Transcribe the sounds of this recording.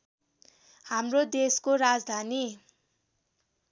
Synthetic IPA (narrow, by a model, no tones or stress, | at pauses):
hamrod̪eskoɾad͡zd̪ʱani